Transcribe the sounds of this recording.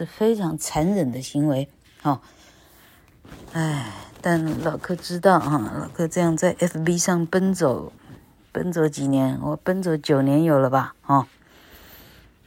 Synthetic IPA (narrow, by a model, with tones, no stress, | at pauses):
ʂɻ̩˥˩fe˥ɪʈ͡ʂʰɑ˧˥ŋt͡sʰa˧˥nɻə˨˩nd̪ə˦ɕi˧˥ŋwe˧˥ɪ | xɑ˥˧ | a˥˩ɪt̪a˥˩nlɑ˨˩ʊkʰɤ˥˧ʈ͡ʂɻ̩˥t̪ɑ˥˩ʊxɑ˥˧lɑ˨˩ʊkʰɤ˥ʈ͡ʂɤ˥˧jɑ˥˧ŋt͡sa˥˩ɪʔɛ˥fbi˥ʂɑ˥˩ŋpə˥nt͡so˨˩˦ʊ | pə̰˥nt͡swɔ˧˥t͡ɕi˨˩njɛ˧˦˥nwɔ˨˩pə˥nt͡swɔ˧˥ʊt͡ɕjo˨˩ʊnjɛ˧˥njo˨˩ʊlə˦bɐ˧xɑ˥˩